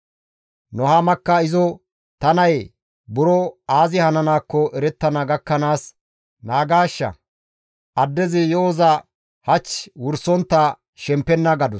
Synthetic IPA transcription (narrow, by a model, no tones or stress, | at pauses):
nɔhamɐkːɐɪzɔ | t̪ɐnɐj | bʊɾɔaːzɪhɐnɐnaːkːɔʔɛɾɛt̪ːɐnɐɡɐkːɐnaːs | naːɡaːʃːɐ̰ | ʔɐd̪ːɛzɪjoːzɐ | hɐt͡ʃːwʊɾsɔnt̪ːɐ | ʃɛmpːɛnːɐɡɐd̪ʊ